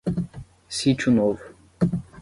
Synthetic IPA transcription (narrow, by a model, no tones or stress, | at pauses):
sit͡ʃunov